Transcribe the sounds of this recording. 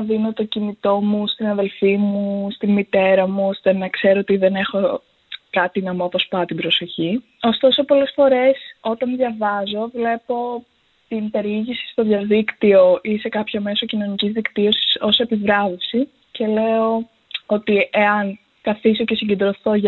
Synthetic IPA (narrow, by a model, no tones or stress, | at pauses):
ðino̞t̪o̞cinit̪o̞must̪inɐðe̞lfimuust̪inmit̪e̞ɾɐmuost̪e̞nɐkse̞ɾoot̪iðe̞ne̞xo̞ | kɐt̪inɐmoɐpospɐt̪ibɾo̞so̞çi | o̞st̪o̞so̞po̞le̞sfo̞ɾe̞so̞t̪ɐnðʝɐvɐzo̞vle̞po̞ | t̪inpe̞ɾiʝisi̥st̪o̞ðʝɐðikt̪io̞ʔise̞kɐpço̞me̞so̞cino̞nicizðikt̪io̞si̥so̞se̞pivɾɐvesi | ce̞le̞o̞ | o̞t̪ie̞ɐn | kɐθiso̞ce̞siɟe̞nd̪ɾo̞θo̞ʝ